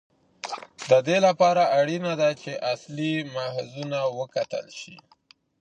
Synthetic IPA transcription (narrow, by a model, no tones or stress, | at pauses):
d̪əd̪elapɑɾaaɽinad̪at͡ʃeʔaslimahzunawəkat̪ə̰lʃḭ